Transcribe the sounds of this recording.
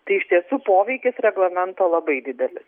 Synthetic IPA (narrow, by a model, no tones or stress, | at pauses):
t̪ɐɪɪʃʲt̪ʲiɛsuːpoːʋʲɛɪkʲɪsɾʲɛɡlˠɐmʲɛnt̪oːlˠɐbɐɪd̪ʲɪd̪ʲɛlʲɪs